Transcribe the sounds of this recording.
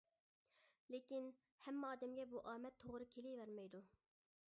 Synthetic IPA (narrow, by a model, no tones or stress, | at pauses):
lekʲin | hɛmːɑːd̪ɛmɡʲɛbuʔɑːmɛt̪ʰːoʁɾɨkʲʰelɪjvæɾmɛjd̪u